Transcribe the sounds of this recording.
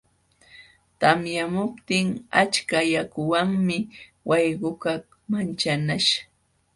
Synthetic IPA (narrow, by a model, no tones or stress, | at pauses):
t̪amjamʊpt̪ɪŋat͡ʃkajakʊwaŋmɪ | wɑjɢʊkak | mant͡ʃanaʃḁ